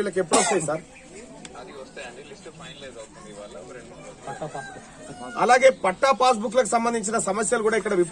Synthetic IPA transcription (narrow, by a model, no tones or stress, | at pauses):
ilɐk̬e̞pːuɽost̪ɐjinsaːɾ | ɐst̪ː | l | ɐ | ɐ̰laːɡe̞ːpɐʈːaːpaːs̬bukːlɐk̬u̥sɐmbɐnd̪iɲt͡ʃinɐsɐmɐsjɐlukuːɽaːikːɐɽɐʋip